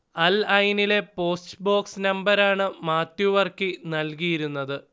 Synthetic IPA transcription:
ɐlɐjnile̞po̞ːsʈɨbo̞ːksnɐmbɐɾaːɳɨmaːt̪juʋɐrkinɐlkijiɾunːɐðɨ

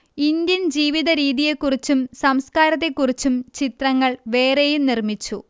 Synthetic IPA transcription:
ind̪jɐnd͡ʑiːʋiðɐɾiːðije̞kːurit͡ɕːumsɐmskaːɾɐt̪̬ːe̞kːurit͡ɕːumt͡ɕit̪rɐŋːɐɭʋe̞ːre̞jumnirmit͡ɕːu

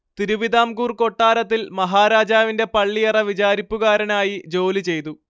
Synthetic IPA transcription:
t̪iɾuʋid̪aːmkuːrko̞ʈːaːɾɐt̪ːilmɐɦaːɾaːd͡ʑaːʋinde̞pɐɭːijɐrɐʋit͡ɕaːɾipːuɣaːɾɐnaːjid͡ʑo̞ːlit͡ɕe̞jt̪u

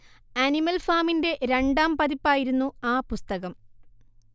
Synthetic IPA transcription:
ɐnimɐlfaːminde̞ʔɾe̞ɳɖaːmpɐðipːaːjiɾunːuaːpust̪ɐɣɐm

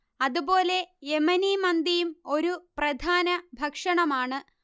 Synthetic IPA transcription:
ɐðubo̞ːle̞emɐnimɐnd̪ijumo̞ɾuprɐd̪ʱaːnɐbʱɐkʂɐɳɐmaːɳɨ

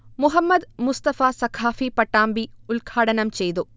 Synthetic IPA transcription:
muɦɐmːɐd̪must̪ɐfaːsɐkʰaːfipɐʈːaːmbiulɡʱaːɽɐnɐmt͡ɕejt̪u

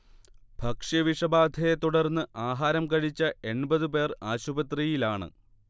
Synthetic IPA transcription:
b̥ʱɐkʂjɐʋiʂɐbaːd̪ʱɐjet̪uɽɐrnːɨʔaːɦaːɾɐmkɐɻit͡ɕːɐe̞ɳbɐðɨpe̞ːraːɕubɐt̪rijilaːɳɨ̰

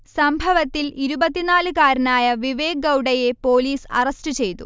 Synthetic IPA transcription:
sɐmbʱɐʋɐt̪ːiliɾubɐt̪ːinaːlɨkaːɾɐnaːjɐʋiʋe̞ːɡɐwɽɐjepo̞ːliːsɐ̰rɐstɨt͡ɕe̞jt̪ṵ

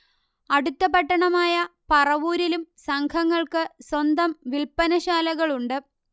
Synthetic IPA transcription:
ɐɽut̪ːɐpɐʈːɐɳɐmaːjɐpɐrɐʋuːɾilumsɐŋkʰɐŋːɐɭkɨswɐnd̪ɐmʋilpɐnɐɕaːlɐɣɐɭuɳɖɨ

